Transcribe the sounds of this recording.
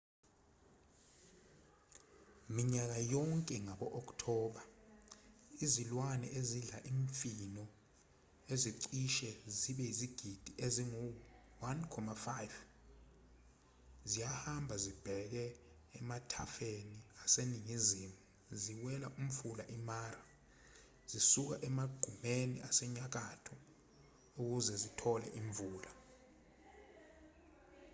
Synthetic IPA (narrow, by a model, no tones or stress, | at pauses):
miɲak̬ajɔŋkʼɛŋaɓɔʔɔk̬ʼtʰɔːɓa | izilwanɛʔeziɮaʔiɱfinɔ | eziǀiʃɛziɓɛiziɡ̥ʱid̥ʱiʔeziŋu | wankʰɔmafajv | zijahambʱazib̥ʱɛk̬ɛː | matʰa̰feniaseniŋizimu | ziwɛlaʔum̩fulaʔimaːra | z̥isuk̬aʔɛmaɡ̥ʱumeniasɛɲak̬atʰɔ | uk̬uzɛzitʰɔlɛ̰ʔiɱvuːla